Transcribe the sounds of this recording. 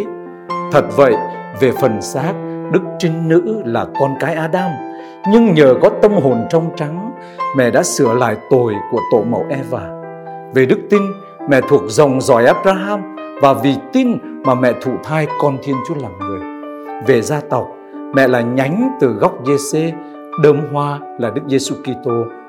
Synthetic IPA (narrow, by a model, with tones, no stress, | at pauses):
t̪ʰə˨˩t̚və̰˧˨jve˨˩fə˨˩nsaː˦˥t̚ɗɨ˦˥k̚t͡ɕï˧ŋ̟nɨ̰˧˥laː˨˩kɔ˧nkaː˨˦jʔaː˧ɗaː˧m | ɲɨ˧ŋɲəː˨˩ɣɔ˨˦t̪ə˧mɦo˨˩nt͡ɕɔ˧wŋ͡mt͡ɕa˨˦ŋ | mɛ̰˧˨ɗa̰ː˧˥sɨ˧˩əla̰ː˧˨jt̪o˨˩jku˧˩ət̪o̰˧˨mə̰˨˩wʔɛ˧vaː˨˩ | ve˨˩ɗɨ˦˥k̚t̪i˧n | mɛ̰˧˨t̪ʰu˨˩ək̚zə˨˩wŋ͡mzɔ̰˧˩jʔaː˦˥p̚zaː˧ɦaː˧mvaː˨˩vi˨˩t̪i˧n | maː˨˩mɛ̰˧˨t̪ʰṵ˧˨t̪ʰaː˧jkɔ˧nt̪ʰi˧ənt͡ɕu˨˦laː˨˩mŋɨ˨˩əj | ve˨˩zaː˧t̪ɔ˨˩wk͡p̚ | mɛ̰˧˨laː˨˩ɲa˨˦jŋ̟t̪ɨ˨˩ɣa˦˥wk͡p̚ze˧se˧ | ɗəː˧mɦwaː˧ | laː˨˩ɗɨ˦˥k̚ze˧su˧ki˧t̪o˧